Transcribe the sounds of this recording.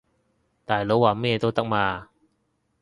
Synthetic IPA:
t̪aː˨˩˨lo˨˥waː˨˩me˥˧t̪t̪a˥k̚maː˧

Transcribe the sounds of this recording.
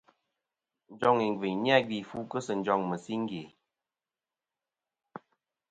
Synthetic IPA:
n̩˦d͡ʒɔ˦ŋi˨ŋ˨ɡwi˨ɲnja˦˨ɡi˨fu˦kə˦sə˨n˦d͡ʒɔ˦˨ŋmə˨si˦ŋ̩˦ɡe˨

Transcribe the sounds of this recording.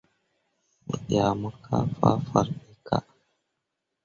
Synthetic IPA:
ḭ˨a˨mə˦kʰa̰˦fa˦fa˨ɾmi˦kʰa̰˦ʔ

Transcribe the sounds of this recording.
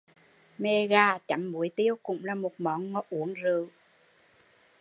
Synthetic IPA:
me˧ɣaː˧˩t͡ɕa˨˦mːu˨˦əjt̪i˧˦əwkʊ̰˧˥ŋ͡mlaː˨˩mo˨˩t̚mɔ˨˦nŋɔ˨˦˥t̚ʔu˨˦əŋzɨ˧˩˨w

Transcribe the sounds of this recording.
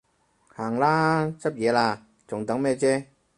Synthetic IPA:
haː˨˩ŋlaː˥t͡sʰɐ˥p̚jɛː˨˧laː˧ | t͡sʊ˨˩ŋt̪ɐ˨˥ŋmɛː˥˩t͡sɛː˦˥

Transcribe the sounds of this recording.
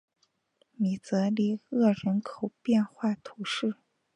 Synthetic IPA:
mi˨˩t͡sɤ˧˥li˧˥ɤ˥˩ɻə˧˥nkʰo˨˩ʊpjɛ˥˧nxwa˥˩t̪ʰu˧˥ʂɻ̩˥˩

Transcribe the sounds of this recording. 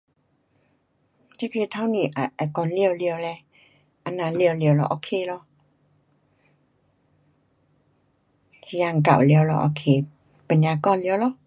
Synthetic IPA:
t͡ɕɛ˧˦pʰi˧˨t̪ʰa˧˦wni˨ʔa˨ʔa˨kɔ˧˨nli˧ə˨wli˧ə˨wlɛ˧ | ʔa˧˨na˧˨li˧˩ə˨wli˧˨ə˨wlɔ̰˧˨ʔo˧˨kʰe˧˨lɔ˧˨ | ja˧˨ŋ̩˨ka̰˨wli˧ə˨wlɔ˧˨ʔo˧˨kʰe˧˨ | pa˨ɲa˧˨kɔ˧˨nli˧˨wlɔ˧

